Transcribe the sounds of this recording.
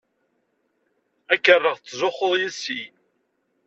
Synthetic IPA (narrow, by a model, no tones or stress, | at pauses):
ækːərːəʁt͡sːzʊχːoðˤjisːi